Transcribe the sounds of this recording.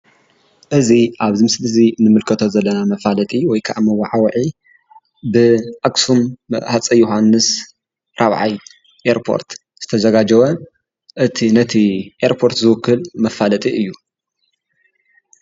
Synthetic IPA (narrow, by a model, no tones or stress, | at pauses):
ʔɨziʔaβzɨmɨslɨzinɨmɨlkʰɐt̪ʰozɐlːɐnamɐfalɐt̪ʼiwɔjkʰa̰ʔamɐwaʕawʕi | bɨʔakʼsumhat͡sʼɐjuɦanːɨs | ɾaβʕaj | ʔeɾpʰo̞̰ɾt̪ | z̥ɨt̪ʰɐzɐɡad͡ʒɐwɐ | ʔɨt̪ʰinɐt̪ʰiʔeɾpʰo̞ɾt̪zɨwʊkːɨlmɐfalɐt̪ʼiɨjːu